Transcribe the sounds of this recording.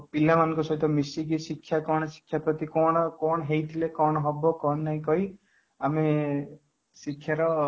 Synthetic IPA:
pilamanɔ̃ŋkusɔɦit̪ɔmisiɡisikʰːjakɔɽ̃ɔsi̥kʰːjapɾɔt̪ikɔɽ̃ɔkɔɽ̃ɔɦejt̪ʰilekɔɽ̃ɔɦɔbɔkɔnːaĩkɔɦi | ame | sikʰːjaɾɔ

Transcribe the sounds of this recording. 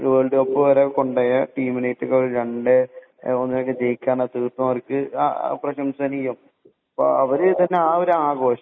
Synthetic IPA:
ruɐɭɖɨopːɐʋɐɾekoɳɖajɐʈiːminɐjtːokːeoɾuɾeɳɖɨ | onːinɐkːet͡ɕejikʲːaːnɐt̪ɨːrt̪wɐmɐʋɐrkːɨa̰prɐɕɐmsɐnijːɐm | ɐpːo̰ɐʋɐɾɨt̪ɐnːeaːoɾuaːɡo̞ːɕɐ

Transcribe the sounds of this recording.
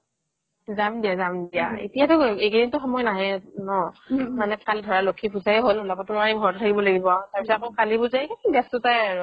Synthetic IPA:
zamdijazamdija̰ḛtijatʊejkanitʊxɔmɔjɔnaɦɛjnɔmanɛkʰalidʱɔɹalokʰːibʰusaɛɦolulapɔtʊmaɹibʱɔɹɔtɔtʰakibɔlaɡibɔtaɹpisɔtakõkʰalibʊzajkbɛstɔtajaɹʊ

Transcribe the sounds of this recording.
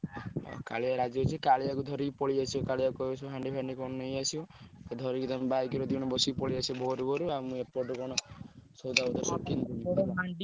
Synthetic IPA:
ɔ̰ka̰ɭiaɾad͡ʒiɔt͡ʃʰikaɭiakud̪ʱɔɾikpɔɭiasiɔkaɭiakusɦaɳɖipʰaɳɖikɔɽ̃ɔnejasiɔkɔd̪ʱɔɾikid̪ɔmebajkiɾɔd̪iñɔbɔsipɔɭiasiɔbʱɔɾubɔɾuamũepɔɾʈukɔɽ̃ɔsod̪aut̪ɔt͡ʃɔkːinkuniaɳɖi

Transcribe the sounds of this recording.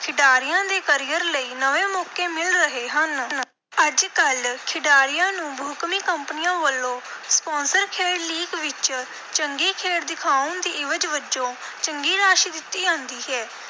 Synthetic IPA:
kʰɪɖaːɾɪjãːd̪eːkəɾɪjəɾləiːnəʋeːmɔːkeːmɪlɾəɦeːɦənn | əd͡ʒkəlkʰɪɖaːɾɪjãːnũːbʱʊʊkmiːkəmpənɪjãːʋəlːõːspɔːnsəɾkʰeːɽliːkʋɪt͡ʃ | t͡ʃəŋɡiːkʰeːɽd̪ɪkʰaːʊnd̪iːɪʋəd͡ʒʋəd͡ʒõːt͡ʃəŋɡiːɾaːʃiːd̪ɪt̪ːiːd͡ʒãːnd̪iːɦɛː

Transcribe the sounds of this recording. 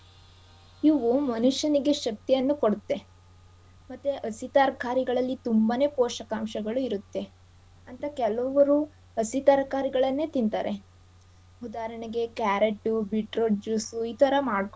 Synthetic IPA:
iʋumɐnuʂjɐniɡe̞ʃɐk̚t̪ijɐnːukoɽut̪ːe̞ | mɐt̪ːeʔɐsit̪aːɾɐkaːɾiɡɐɭɐlːit̪umbane̞ːpɔːʃɐkaːmʃɐɡɐɭuiɾut̪ːe̞ | ɐnt̪ɐkɛlɐʋɐɾu | ɐsit̪aːɾkaːɾiɡɐɭɐnːe̞ːt̪int̪aːɾʔe̞ | ud̪aːɾɐɳiɡe̞kaːɾeʈːubiʈɾoːd͡ʒuːsuiːt̪ɐɾɐmaːɽk

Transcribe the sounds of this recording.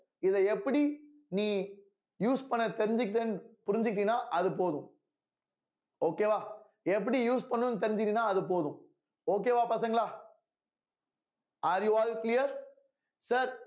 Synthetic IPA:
ɪðɐɛpːɐɽi | nĩː | juːspɐɳːɐt̪ɛɾɪɲd͡ʒɪkːɪʈːɐnːɯpʊɾɪɲd͡ʒɪkɪʈːĩnːaːʔɐðɯp̬oːðʊ̃ | oːkeːʋaː | ɛpːɐɽijuːspɐɳːɯnɯt̪ɛɾɪɲd͡ʒɪkɪʈːiːnːaːɐðɯpoːðʊ̃ | oːk̬eːʋaːpɐs̬ɐŋɡɐɭaː | aːɾjuaːlklɪjɐɾ | sɐɾ

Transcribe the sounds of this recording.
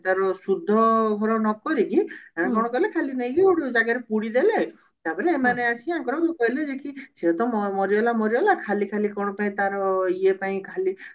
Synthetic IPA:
t̪aɾɔsud̪ʱːɔɡʱɔɾɔnɔkɔɾikianãkɔɽ̃ɔkɔilekʰalinɛĩkiuɽiod͡ʒaɡaɾepuɽid̪ele | t̪apeleːmaneasiãŋkɔɾɔkukɔɦiled͡ʒekiseɔt̪ɔmɔmɔɾiɔlamɔɾiɔlakʰalikʰalikɔɽ̃ɔpaĩt̪aɾɔiepaĩkʰali

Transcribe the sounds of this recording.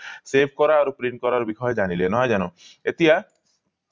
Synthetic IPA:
seb̚ʱkɔɾaɾopɾin̚kɔɾaɾbikʰɔed͡ʒanilenɔɦjd͡ʒanoet̪ia

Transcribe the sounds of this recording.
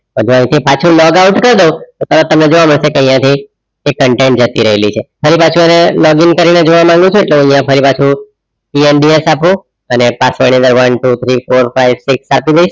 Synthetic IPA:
ə̃d͡ʒoə̃ĩt̪ʰipat͡ʃʰũlɔɡauʈkəɾd̪ot̪ot̪əɾət̪əmned͡ʒoʋaməɭʃekeəɦĩjãt̪ʰi | ekːəɳʈeɳʈd͡ʒət̪iɾəɦelit͡ʃʰefʰəɾipat͡ʃʰuanelɔɡɪnkəɾined͡ʒoʋamãŋɡũt͡ʃʰueʈleũə̃ɦijãfəɾipat͡ʃʰu | piɛnɖiesapũ | ənepasʋəɽ̃id̪əɾʋənʈut̪ʰɾifoɾfaiʋsiksapid̪əiʃ

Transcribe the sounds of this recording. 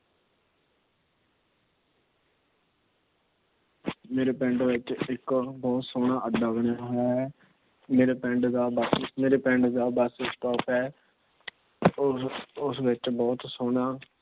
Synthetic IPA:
meːɾeːpɛ̃ɳɖʋɪt͡ʃɪkbɔːt̪soːɳaːʔəɖaːɡɳjaːɦoːjaːɦɛː | meːɾeːpɛ̃ɳɖd̪aːbaːsmeːɾeːpɛ̃ɳɖd̪aːbəːsɪsʈɔːpɛː | ʊsʋɪt͡ʃbɔːt̪soːɽãː

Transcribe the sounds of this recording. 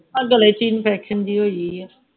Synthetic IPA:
aɡəlet͡ʃiːnpʰɛːkʃənd͡ʒiːɦoːiɛ

